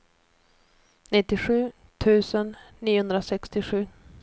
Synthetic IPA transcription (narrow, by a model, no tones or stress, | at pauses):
nɪt̪ːɪɧʉ̟ː | t̪ʰʉ̟ːsənː | iːʊhɵnd̪ɾasɛkst̪ɪɧʉ̟ː